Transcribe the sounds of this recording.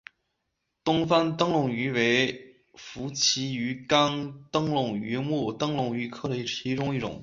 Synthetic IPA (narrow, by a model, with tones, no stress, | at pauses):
t̪ʊ˥ŋfa˥nt̪ɤ˥ŋlʊ˨˩ŋy˧˥we˧˥ɪ | fu˧˥t͡ɕʰi˧˥y˧˥ka˥nt̪ɤ˥ŋlʊ˨˩ŋy˧˥mu˥˩t̪ɤ˥ŋlʊ˨˩ŋy˧˥kʰɤ˥˩d̪ə˨˧i˥˩i˧˥ʈ͡ʂʊ˥ŋi˥˩ʈ͡ʂʊ̰˨˩˦ŋ